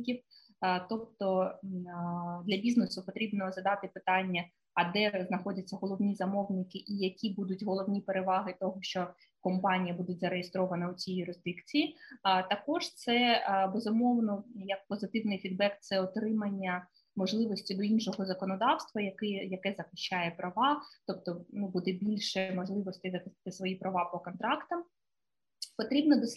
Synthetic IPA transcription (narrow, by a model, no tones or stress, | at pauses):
kʲiw | t̪ɔp̚t̪ɔ | d̪lʲɐbʲiznesʊpɔt̪ɾʲibnɔzɐd̪ɑt̪ɪpɪt̪ɑnʲːɐ | ɐd̪ɛznɐxɔdʲɐt͡sʲːɐɦɔlˠɔwnʲizɐmɔwnɪkɪʔijɐkʲibud̪ʊtʲɦɔlˠɔwnʲipeɾeʋɑɦɪt̪ɔɦɔʃt͡ʃɔ | kɔmpɑnʲijɐbud̪ʊtʲzɐɾejɪst̪ɾɔʋɐnɐʊt͡sʲijjʊɾɪzd̪ikt͡sʲijit̪ɐkɔʒt̪sɛbezʊmɔwnɔjɐk̚pɔzɪt̪ɪwnɪjfʲid̪̚bɛkt̪sɛɔt̪ɾɪmɐnʲːɐ | mɔʒlˠɪʋɔsʲtʲid̪ɔinʃɔɦɔzɐkɔnɔd̪ɑwst̪ʋɐjɐkɪjɐkɛzɐxɪ̥ʃt͡ʃajɛpɾɐʋɑt̪ɔp̚t̪ɔnubud̪ɛbʲilʲʃɛmɔʒlˠɪʋɔsʲt̪ʲɪzɐxɪsɪ̥t̪ɪsʋɔjipɾɐʋɑpɔkɔnt̪ɾɑkt̪ɐm | pɔt̪ɾʲibnɔd̪ɔsʲ